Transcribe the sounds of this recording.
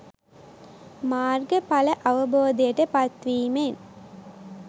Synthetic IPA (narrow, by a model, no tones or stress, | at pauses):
maːrɡəpaləʔaʋəboːd̪ejəʈəpat̪ʋiːmen